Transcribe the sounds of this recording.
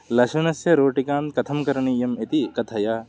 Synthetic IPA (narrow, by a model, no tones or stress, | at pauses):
lɐʃɐnɐsjɐɾoːʈikaːnt̪̚kɐt̪ʰɐmkɐɾɐɳijɐmet̪ikɐt̪ʰɐjaː